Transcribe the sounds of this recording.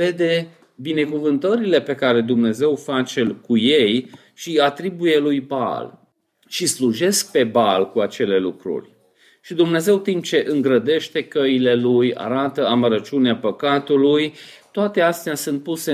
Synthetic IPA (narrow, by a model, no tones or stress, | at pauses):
ve̞d̪e̞ | bine̞kuvɨnt̪əɾile̞pe̞kaɾe̞d̪umne̞ze̞wfat͡ʃe̞kuje̞j | ʃiat̪ɾibuje̞lujba̰l | ʃisluʒe̞sk̚pe̞balkuat͡ʃe̞le̞lukɾṵrʲ | ʃid̪umne̞ze̞wt̪imp̚t͡ʃe̞ʔɨŋɡɾəd̪e̞ʃt̪e̞kəile̞luja̰ɾat̪əaməɾət͡ʃuneapəkat̪ulujt̪oat̪e̞ast̪easunt̪̚puse